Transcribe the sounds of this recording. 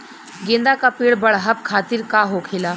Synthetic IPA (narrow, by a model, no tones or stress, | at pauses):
ɡẽnd̪akapiːɽbɐɽɦəp̚kʰaːt̪ɪɾkaɦokʰɪlaː